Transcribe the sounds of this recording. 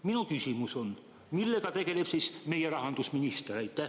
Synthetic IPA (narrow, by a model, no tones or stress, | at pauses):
minukysimuso̞n | milːe̞kɑt̪e̞ɡ̥e̞leb̥sisme̞jeɾɑɦɑnd̪usminist̪eɾæjt̪ːˑæh